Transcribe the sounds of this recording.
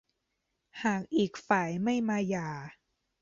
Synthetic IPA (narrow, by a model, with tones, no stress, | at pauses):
haː˨˩k̚ʔiː˨˩k̚faː˨˩˦jma˥˩jmaː˧jaː˨˩